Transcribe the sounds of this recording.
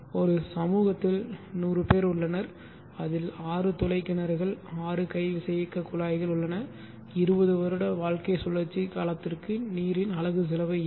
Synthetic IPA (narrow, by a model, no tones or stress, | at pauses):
ɔɾɯsɐmuːɣɐt̪ːɪlnuːrɯpeːɾʊɭːɐnɐɾ | ɐðɪlaːrɯt̪ɔlɐɪkːɪnɐɾɣɐɭaːrɯkɐɪʋɪsɐjɐkːɐkʊlaːjɣɐɭʊɭːɐnɐ | ɪɾɯbɐðɯʋɐɾɯɽɐʋaːɻkɐɪsɔlːɐt͡ʃːikaːlɐt̪ːɪrkɯniːɾɪnɐlɐɣɯs̬ɪlɐʋɐɪ